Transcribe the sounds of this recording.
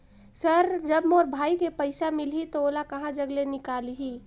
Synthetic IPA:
səɾd͡ʒəbmoːɾbʱaːikepəɪsamɪlɦit̪ooːlakɐɦãd͡ʒəɡlenɪkaːliɦi

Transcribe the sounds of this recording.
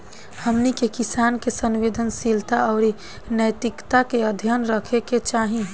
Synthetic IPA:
həmnikekisaːnkesənʋeːd̪ʱənsilt̪aɔʊɾi | nəjt̪ɪkt̪akeəd̪ʱjənɾəkʰeket͡ʃaɦĩ

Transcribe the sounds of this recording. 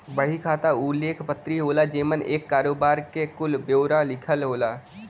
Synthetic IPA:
bəɽ̤ikʰaːt̪aʊlːeːkʰpət̪ːɾiɦoːlad͡ʒeːmənʔḛːkːaːɾoːbaːɾkekʊlbjoːɾalɪkʰəlɦoːlaː

